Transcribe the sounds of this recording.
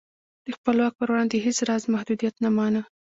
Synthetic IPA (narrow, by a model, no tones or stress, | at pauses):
d̪̥əxpəlwɑk̚pəɾwɽɑnd̪eɦet͡sɾɑzmahd̪ud̪ijat̪namɑna